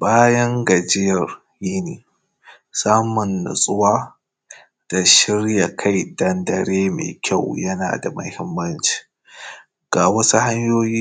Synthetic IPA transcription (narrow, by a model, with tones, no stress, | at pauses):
baː˦jɐ˦ŋɡɐ˨d͡ʒɪ˦jɐ˨r | jiː˦neː˨ | saː˦mʊ˨nːʊ̰˨sʼʊ˦waː˦ | d̥a˨ʃɪ˦ɽja˨kʰa˦jdɐ˦ndɐ˨ɾeː˦mḛː˨kʲa˦˨wjɐ˦na̰ː˨da̰˨mɐ˨hɪ˦mːɐ˦nt͡ʃi̥ː˨˦ | ɡ̥aː˨wɐ˦su˦ɦa˦ɲjoː˦jiː˦